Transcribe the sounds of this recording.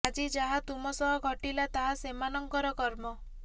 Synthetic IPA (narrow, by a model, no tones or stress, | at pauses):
ad͡ʒid͡ʒaɦat̪umɔsɔɦɔɡʱɔʈilat̪aɦasemanɔŋkɔɾɔkɔɾmɔ